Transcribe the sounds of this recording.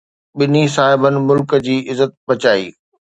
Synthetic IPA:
ɓɪnisaːɦɪbənɪ̆mʊlkəd͡ʑiːʔɪzːət̪̚bɐt͡ɕaːḭː

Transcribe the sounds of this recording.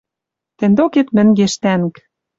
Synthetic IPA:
t̪ĕnd̪oket̪mɘ̆ŋɡeʃt̪ænk

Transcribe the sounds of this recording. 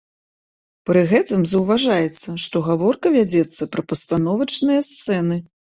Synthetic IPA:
pɾɨɣɛt̪ɨmzɐwvaʐajɛt̪sːɐʂt̪ɔɣavɔrkɐvʲad͡zʲɛt̪sːɐpɾɐpɐst̪an̪ɔvɐt͡ʂnɨjɐst̪sɛnɨ

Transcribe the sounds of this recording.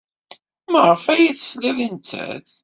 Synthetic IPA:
məʁˤəfæjiθə̥sliðənt͡sːæ̰θ

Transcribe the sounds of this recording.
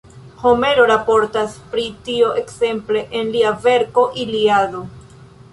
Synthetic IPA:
ho̞me̞ɾo̞ɾapo̞ɾtaspɾitioʔe̞kse̞mple̞ʔenliave̞ɾko̞ʔiliado̞

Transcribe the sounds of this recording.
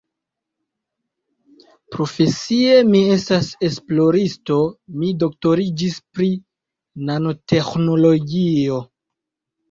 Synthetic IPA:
pɾo̞fe̞sie̞mie̞stase̞splo̞ɾisto̞mido̞k̚to̞ɾid͡ʒispɾi | nano̞te̞xno̞lo̞ɡio̞

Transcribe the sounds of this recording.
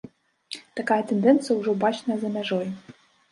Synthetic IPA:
t̪akajɐt̪end̪ɛnt̪sɨjəuʐobat͡ɕnəzɐmʲɛʐoj

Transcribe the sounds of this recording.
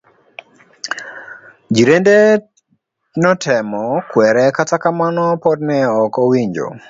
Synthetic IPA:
d͡ʒiɾende | nɔtʰɛmɔkwɛɾɛkatakamanɔpɔdnɛɔkowiɲd͡ʒo̰

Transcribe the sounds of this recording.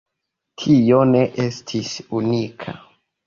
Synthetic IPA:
tʰione̞ʔe̞stʰisunikʰa̰

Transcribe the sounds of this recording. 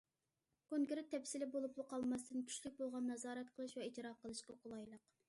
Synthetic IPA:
kʰoŋɡʲɾɪt̪ʰːɛpsɪlɪbolˠuplˠuqʰɑlˠmɑst̪ɨnkʲʰy̥ʃlyk̚ʲbolˠʁɑnːɑzɑːɾɛt̪qʰəlˠɨʃwɛit̪iɾɑqəlˠɨʃqɑqʰʊlˠɑjlˠəq

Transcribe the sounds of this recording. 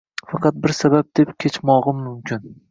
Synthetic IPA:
fɑqʰɑt̪̚bɪɾsabab̚d̪̥e̞pkʲʰet͡ʃmɒʁɨmːʊmkʲɪn

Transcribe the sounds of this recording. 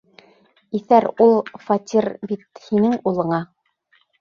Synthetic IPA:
iθæɾulˠfɑt̪ʲiɾbit̪hinɘŋulˠɤ̆ɴɑ

